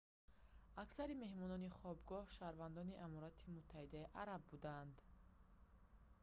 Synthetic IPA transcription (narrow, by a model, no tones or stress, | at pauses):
aksaɾime̞hmɔnɔniχɔbɡɔhʃaɾvand̪ɔniʔamɔɾat̪ʰimut̪ʰːahid̪aiʔaɾabːud̪and̪